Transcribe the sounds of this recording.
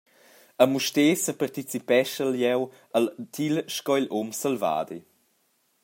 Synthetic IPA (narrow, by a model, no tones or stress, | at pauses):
əmuʃteːsəpart̪it͡sipɛʃəljɛw | əlt̪ʰilʃkɔilʔomsəlva̰ːd̪i